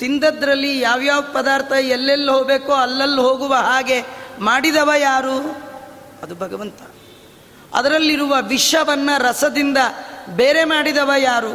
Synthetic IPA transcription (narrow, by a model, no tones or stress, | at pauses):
t̪ind̪ɐd̪ɾɐlːijaːʋjaːʋɐpɐd̪aːɾt̪ʰɐɛlːelːuɦoːɡbeːkoːɐlːɐlːuɦoːɡuʋɐɦaːɡe̞maːɽid̪ɐʋɐjaːɾu | ɐd̪ubʱɐɡɐʋɐnt̪ɐ̥ | ɐ̰d̪ɐɾɐlːiɾuʋɐʋiʂɐʋɐnːɐɾɐsɐd̪ind̪ɐbeːɾe̞maːɽid̪ɐʋɐjaːɾu